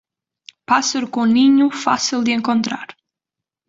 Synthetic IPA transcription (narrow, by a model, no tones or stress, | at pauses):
paseɾkoniɲufa̰silˠd̪ieŋkont̪ɾa̰ɾ